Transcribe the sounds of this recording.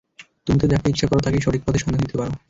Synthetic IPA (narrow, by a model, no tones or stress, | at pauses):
t̪umit̪ed̪ɛkʰeitːʃʰakɔɾot̪akeʃɔʈik̚pɔt̪ʰeʃɔnded̪it̪epaɾo